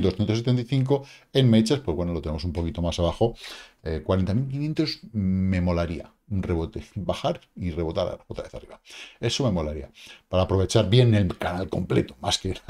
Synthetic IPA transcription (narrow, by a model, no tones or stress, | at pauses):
ld̪osθjent̪os̬et̪ent̪aijθiŋko̞e̞nme̞t͡ʃaspwo̞zwe̞nolot̪e̞nemo̞sumpo̞kit̪o̞masaβaxo̞ekwaɾent̪amilkinjent̪ozme̞mo̞laɾia̰ | unre̞βo̞t̪ebaxaɾire̞βo̞t̪a̰ɾa̰ot̪ɾa̰βe̞θa̰riβae̞some̞mo̞laɾia̰paɾaːpɾo̞βet͡ʃaɾβje̞nelkanalko̞mple̞t̪o̥maskena